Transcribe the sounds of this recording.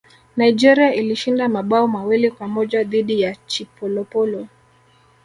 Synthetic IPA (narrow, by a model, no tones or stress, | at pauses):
naid͡ʒɛɾiailiʃindamaɓaɔmawilikwamɔʄaðiɗijat͡ʃipɔlɔpɔlɔ